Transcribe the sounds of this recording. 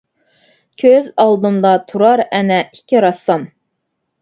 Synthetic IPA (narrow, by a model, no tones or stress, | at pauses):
kʲʰøzɑlˠd̪ɨmd̪ɑt̪ʰuɾɑɾɛnɛikʲʰiɾɑsɑm